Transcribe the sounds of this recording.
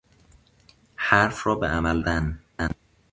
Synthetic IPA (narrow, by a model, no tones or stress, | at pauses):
hæɾfrɒːbeʔæmæld̪ænæn